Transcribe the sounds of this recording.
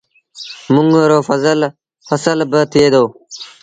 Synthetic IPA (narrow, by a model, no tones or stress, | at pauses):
mʊŋɡɾoːfəzəl | fəsəlbət̪ʰeːd̪oː